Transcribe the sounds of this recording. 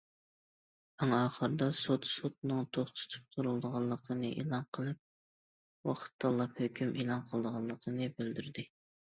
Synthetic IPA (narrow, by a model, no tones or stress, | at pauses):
ɑŋɑːχəɾɨd̪ɑsot̪sut̪̚nɨŋt̪ʰoχt̪ʰʊ̥t̪ʰɨ̥p̚t̪ʰuɾulˠd̪əʁɑlˠːəqʰənɨʔḛlˠɑnqʰəlˠɨp̚ | wɑqʰə̥t̪ʰːɑlˠːɑphøkʲymʔelˠɑnqʰəlˠd̪əʁɑlˠːəqʰənɨbøld̪yɾd̪ɪ